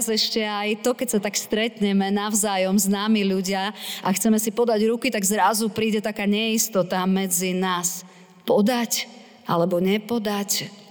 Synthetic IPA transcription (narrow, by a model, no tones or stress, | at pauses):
zɛʃcɛajt̪ɔkɛcsat̪akst̪ɾɛt̪ɲɛmɛnaʊzaːjɔmznaːmiʎuɟɪaʔaxt͡sɛmɛsipɔd̪aɟɾukit̪aɡzɾazupɾiːɟɛt̪akaːɲɛist̪ɔt̪amɛd͡zinaːs | pɔd̪ac | ʔa̰lɛbɔɲɛpɔd̪ac